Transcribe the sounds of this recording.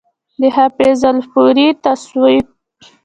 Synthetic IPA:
d̪əhapezalfuɾit̪aswəj

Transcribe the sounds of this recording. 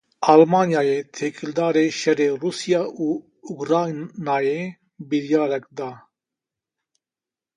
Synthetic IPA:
aːlmɑːnjɑːjeːt̪ʰeːkʰɨld̪ɑːɾeːʃɛreːruːsijɑːʔuː | ukɾɑːjnɑːjeː | biɾjɑːɾɛkd̪ɑː

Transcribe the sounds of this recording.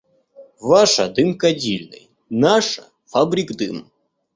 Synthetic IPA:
vaʂɐd̪ɨmkɐdʲilʲnɨ̰j | naʂɐ | fabɾʲiɡd̪ɨm

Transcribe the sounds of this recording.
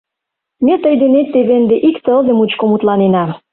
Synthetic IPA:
met̪əjd̪enet̪ːeβend̪eʔikt̪əld̪ĕmut͡ɕkomut̪lɑnenɑ

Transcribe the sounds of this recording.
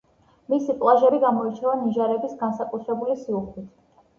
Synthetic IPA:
misipʼlˠaʒɛbiɡamɔit͡ʃʰavaniʒaɾɛbisɡansakʼut̪ʰɾɛbulisiuχwit̪ʰ

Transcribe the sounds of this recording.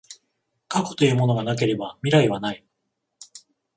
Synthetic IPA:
kako̞̥t̪o̞jɯ̟ːmo̞no̞ɡanak̬e̞ɾe̞bamʲiɾaiβanai

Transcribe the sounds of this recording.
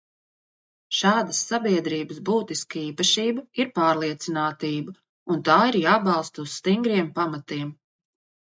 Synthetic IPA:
ʃaːd̪ɐsːabiɛd̪ɾiːbəsbuːt̪iskaiːpɐʃiːbɐiɾpaːɾlˠiɛt̪sinaːt̪iːbɐ | unt̪aːiɾjaːbɑlˠst̪ɐusst̪iŋɡɾiɛmpamat̪iɛm

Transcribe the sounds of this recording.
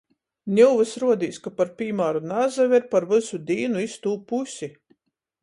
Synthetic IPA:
nʲuwvɨsɾuɔd̪iːskapaɾpʲiːmaːɾunazavʲiɾpaɾvɨsud̪iːnuist̪uːpusʲi

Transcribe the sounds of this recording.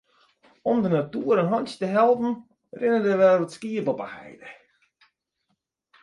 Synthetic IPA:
ɔmdənatuəɾənɦɔnstəɦɛlˠpn̩ | rɪnədəʋɛətskiəpɔpəhɛ̰jdə

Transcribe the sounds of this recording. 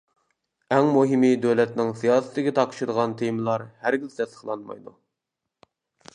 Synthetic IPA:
ɛŋmuɦimɨd̪øwlɛt̪nɪŋsijɑːsɨ̥t̪ɪɡʲɛt̪ʰɑqʃɨd̪əʁɑnt̪ʰemɨlˠɑɾhæɾɡʲɪzt̪ʰɛsə̥χlˠɑnmɑ̰jd̪u

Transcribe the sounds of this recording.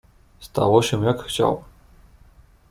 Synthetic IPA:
st̪a̰wɔɕɛ̃jakxt͡ɕa̰w

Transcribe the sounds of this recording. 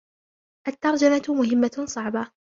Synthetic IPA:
ʔat̪ːɑɾˤd͡ʒamamʊɦɪmːasˤɑʕba

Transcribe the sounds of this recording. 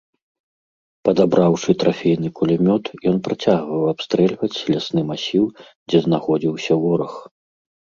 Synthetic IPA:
pɐd̪abɾawʂɨt̪ɾafʲejn̪ɨkulʲamʲɔt̪jɔn̪pɾat͡sʲaɣvɐwapst̪ɾɛlʲvɐt͡sʲlʲasnɨmasʲiw | d͡zʲɛznaxɔd͡zʲiwsʲɐwɔɾɐx

